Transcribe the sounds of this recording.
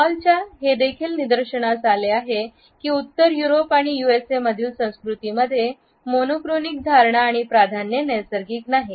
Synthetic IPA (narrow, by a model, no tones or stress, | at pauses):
alt͡ɕjaɦed̪ekʰiːlnid̪əɾɕəɳasaleaɦe | kiːut̪ːəɾjuɾopaɽ̃ijueseməd̪ʱiːlsə̃w̃skɾut̪iməd̪ʱːje | monokɾonik̚d̪ʱaɾɳaːɽ̃ipɾad̪ʱanjenəjsəɾɡiːknaɦe